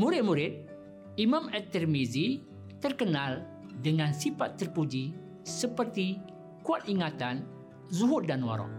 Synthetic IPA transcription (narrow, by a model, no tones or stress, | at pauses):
muɾɪt̪̚muɾɪt̪̚ | imãmɛt̪ərmizi | t̪ərkənal | dəŋãnsifat̪ːərpud͡ʒi | səpərt̪i | kuat̪̚iŋat̪an | zuɦʊt̚danwa̰ɾɔ̰ʔ